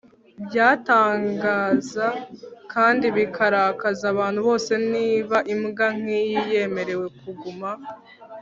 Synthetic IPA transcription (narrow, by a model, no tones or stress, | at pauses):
bjaːtaːŋɡaːzakaːndiβikʰaɾakazaβaːnhuβo̞ːse̞niːβaʔimɡaŋ̥ijije̞ːme̞ɾe̞we̞kuɡuma